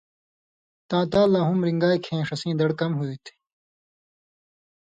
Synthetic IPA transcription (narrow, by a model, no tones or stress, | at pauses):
t̪ãːt̪aːlãːɦumɾiŋɡaːikʰẽːʂɐsĩːd̪ɐɽkɐmɦuit̪ʰi̥